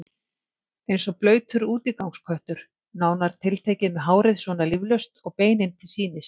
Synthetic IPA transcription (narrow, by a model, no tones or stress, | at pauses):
ejnsɔplœːɥt̪ʰʏɾuːt̪ikawŋskʰœjht̪ʏɾ̥ | naːwnaɾ̥t̪ʰɪlt̪ʰeːjcɪðmɛðɦaːwɾɪðsvɔnalivlœɥst̪ɔɣpeːjnɪnt̪ʰɪlsiːnɪs